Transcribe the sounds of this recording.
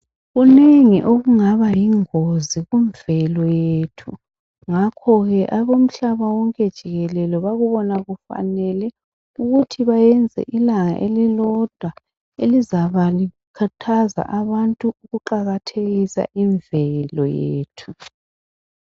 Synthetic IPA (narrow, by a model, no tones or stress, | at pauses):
ɣuneŋiʔoɣuŋaβajiŋoziɣuɱvɛlɔjetʰu | ŋakʰɔɣɛʔaβom̩ɬaβawɔŋkʼɛd̥ʒ̥ʱiɣɛlɛlɔβaɣuβɔnaɣufa̰nɛlɛ | uɣutʰiβajɛnd͡zʱɛ̰ʔilaŋa̰ʔelilɔd̥ʱwa | elizaβali | kʰatʰaza̰ʔaβantʼuuɣuǃaɣatʰeɣisa̰ʔiɱvɛlɔjḛːtʰu